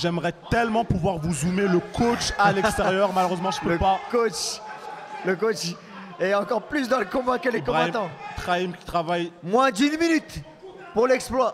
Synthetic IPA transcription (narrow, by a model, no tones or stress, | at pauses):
ʒɛmʁɛt̪ɛlmɑ̃puvwaʁvuzumeləkʰot͡ʃalɛksst̪eʁjœʁmaløʁøzmɑ̃ʒəpøəpakot͡ʃ | ləkot͡ʃ | ɛɑ̃kɔʁplys̬d̪ɑ̃ləkɔ̃bakəlekɔ̃t̪ɑ̃t̪χaimkʲi̥t̪χavajmwɛ̃d̪ynminyt̪ | puʁlɛksplwa